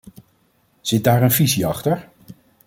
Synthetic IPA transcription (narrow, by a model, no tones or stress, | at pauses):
z̥ɪt̚daːɹənviziɑχtəɹ